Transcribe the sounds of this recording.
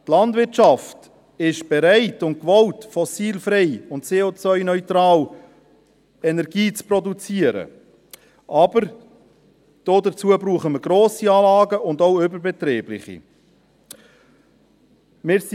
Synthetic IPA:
t̪lɑndvɪɾt͡ʃɑft | ɪʃb̥ɛɾæɪtʊnt̚kʋɔltfɔsiːlfɾɛɪʊntt͡seːot͡svœʏnœʏt̪ɾɑːl | ɛnɛɾɡiːt͡sprɔdut͡siəɾə̰ | ʔɑbəɾ | d̥oːdət͡suəbɾuːχəməɾɡɾoːsiɑːlɑːɡəʔʊndoʊʏbəɾbɛtɾiːblɪ̰χḭ | mɪːɾs

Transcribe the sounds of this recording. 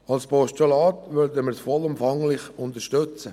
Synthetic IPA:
ɑlspɔʃtolɑːtʋødəmɪɾsfɔlʊmfɑŋlɪχʊnt̪əɾʃtɵt͡sə

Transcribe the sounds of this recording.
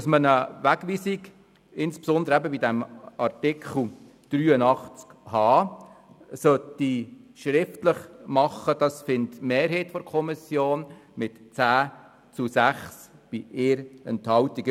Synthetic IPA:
smənəʋæɡʋiːsik | ɪnspsɔnd̪əɾæbəbidæmɑrtɪkʰχl̩ | d̥ɾyːənɑχt͡skhɑː | sœtiʃɾɪftləχmɑχːəd̥ɑsfɪntmeːɾɦeɪtfɔɾkʰɔmisjoːnmɪtt͡sæː | t͡susæχsb̥iʔɪːɾɛ̰nthɑltiɡ

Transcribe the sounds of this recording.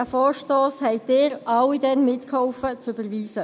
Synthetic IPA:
æfɔːɹʃtoːshɛɪd̥ɪːɾɑwidɛnmɪtkhɔʊfət͡sybəɾviːsə

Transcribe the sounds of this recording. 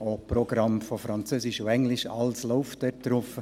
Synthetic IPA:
opɾɔɡɾɑmfofɾɑnt͡søsɪʃoɛŋlɪʃɑlsloʊftɛt̪ɾɔfə

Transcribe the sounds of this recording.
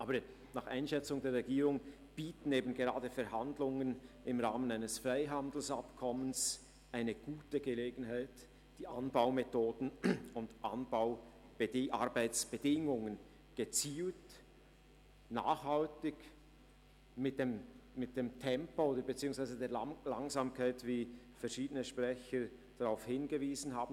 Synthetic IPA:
ʔaːbə | nɑːχa̰ɪnʃɛt͡sʊŋdeːɐɾʁɛɡiːʁʊŋ | b̥iːtn̩eːbn̩ɡeʁaːdəfɛɾɦandlʊŋənɪmʁaːmənaɪnəsfʁaɪɦandl̩sapkʰɔməns | ʔaɪnəɡ̥uːtəɡəleːɡn̩haɪt | d̥iːʔanbaʊmetʰoːdn̩ʊndʔa̰nbaʊ | b̥ʔaɾbaɪt͡sb̥ədɪŋʊŋən | ɡ̥ət͡siːlt | na̰ːχhaltɪɡ | mɪt̚d̥emmɪt̚d̥eːmtʰɛmpooːdəɾbet͡siːʊŋsvaɪzədeːɐla̰ŋzaːmkʰaɪtv̥iː | fɛɐʃiːdənəʃpʁ̥ɛçəɾd̥aʁaʊfhɪnɡəviːzn̩ɦaːbn̩

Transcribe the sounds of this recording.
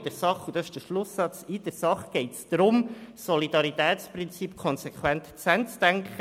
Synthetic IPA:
d̥ɛɾsɑχud̥ɑsɪʃd̥əʃlʊsːɑt͡sid̥əɾsɑχɡ̥ɛɪtsd̪̥ɾʊmsɔlid̥ɑɾit̪ɛːt͡sprɪnt͡sipkʰɔnsekχwɛntt͡sɛnt͡sd̥æŋkχə

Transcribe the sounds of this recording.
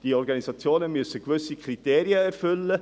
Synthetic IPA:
d̥iːɔɾɡɑnisɑt͡sjoːnəmyəsəkvʏsikriteːɾiəɛɾfʏlːə

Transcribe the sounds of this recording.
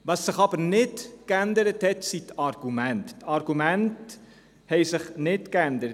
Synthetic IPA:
vɐsːəχɑpərnɛtkændəɾətɦɛtsitɐrɡymɛntətɐrɡymɛnt | hɛjsəχnɛtkændəɾ

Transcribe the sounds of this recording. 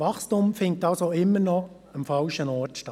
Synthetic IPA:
ɑχstumfɪnttɑlsoɪmːəɾnɔ | əmfɑlʃənɔɾtʃtɑ

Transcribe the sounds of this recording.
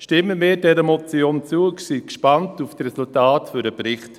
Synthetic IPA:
ʃtɪməmɪːdɛɾəmɔt͡sjoːnt͡suːəksikʃpantuftrɛsultaːtfʏɾəpɾɪχt

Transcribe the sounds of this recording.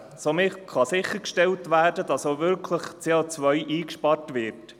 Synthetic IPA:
somɪχɑsɪχːəɾkʃtɛltvæːɾdəd̥ɑsovʏɾkʰləχt͡seːot͡svœʏʔiːkʃpɑrtʋɪːɾt

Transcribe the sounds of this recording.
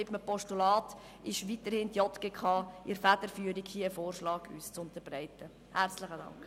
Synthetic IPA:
ɪpməpɔʃtulɑːt | ɪʃʋitəɾhɪntjɔtkəkχɑːʔɪɾfæd̥əɾfyəɾikhiːəəfoːrʃlɑːɡy̰ːst͡sʊntəɾbɾæɪtə | hæɾt͡sləχədɑ̰ŋkχ

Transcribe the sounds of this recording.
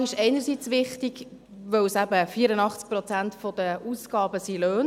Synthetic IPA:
ɪʃɛɪnəɾsit͡sʋɪχtiɡ̥ | ʋœwsæbəfiəɾənɑχt͡sk̚pɾɔt͡sæntfɔd̥̪əuːsɡ̥ɑːbəsiløːn

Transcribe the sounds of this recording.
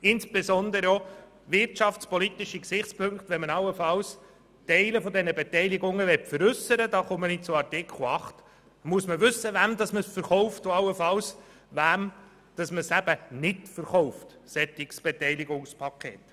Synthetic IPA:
ɪnsb̥esɔnd̪əɾəɔ | ʋɪrtʃɑft͡spɔlit̪iʃiksɪχt͡spʰɵŋktʋɛnmənɑlːəfɑws | tɛɪləfɔd̪ɛnəbɛtɛɪliɡʊŋːəʋɛtfəɾʏsəɾədɑːχomənɪt̚t͡sʊɑrtɪkʰl̩ɑχt̪ | muəsməʋʉsəʋæmd̪ɑsməsfəɾχɔwftoɑlːəfɑls | ʋæm | d̥ɑsməsæb̥ənɪtfəɾχɔʊftsɛt̪iksb̥ɛtɛɪliɡʊŋspʰɑkʰḛːt

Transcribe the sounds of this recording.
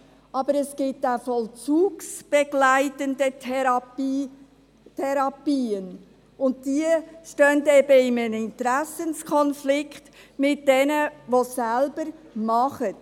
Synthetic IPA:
ʔɑb̥əɾɛsɡ̥ɪtafɔlt͡suːksb̥ɛɡ̥læɪtəndə | tʰɛɾɑpiːən | ʊnt̚diəʃtœndɛb̥əɪmənɪntɾæsənskʰɔnflɪkχtmɪt̚dɛnəʋosælb̥əɾmɑχət

